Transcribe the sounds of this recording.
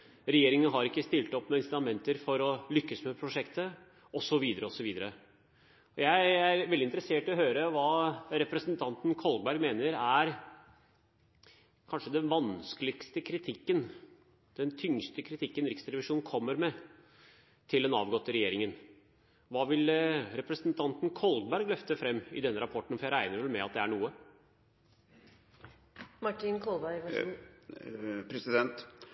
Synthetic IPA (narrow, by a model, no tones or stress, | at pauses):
ɾɛjeːɾɪŋənɦɑɾɪkːəst̪ɪlt̪ɔpːmɛɪnsɪt̪ɑmɛnt̪əɾfɔɾɔlʏkːəsmɛpʰɾʊʂɛkt̪ʰə | ɔsɔʋiːd̪əɾəɔsɔʋiːd̪əɾə | ɔjæɪɪæɾʋɛld̪ɪnt̪ɾəseːʈːɔɦøːɾəʋɑːɾɛpɾɛsnt̪ʰɑnt̪n̩kʰɔlɡbæɾɡmeːnəɾæɾ | kʰɑnʂəd̪ɛnʋɑnskəlɪkst̪əkʰɾɪt̪ʰɪkːən | d̪̥ɛnt̪ʰʏŋst̪əkʰɾɪt̪ʰɪkːənɾɪksɾɛʋɪʂuːnnkʰɔmːəɾmɛ | t̪ʰɪld̪ɛnɑːʋɡɔt̪ːəɾɛjeːɾɪŋən | ʋɑːʋɪlɾɛpɾɛsənt̪ʰɑnt̪nkʰɔlɡbæɾɡlœft̪əfɾɛmːɪ̰d̪ɛnːəɾɑpʰɔʈːɳn̩fɔɾjæɪɾæɪnəɾʋɛlmɛɑt̪̚d̪ɛæɳuːə | mɑʈɪnkʰɔlbæ | pʰɾɛsɪd̪ɛnt̪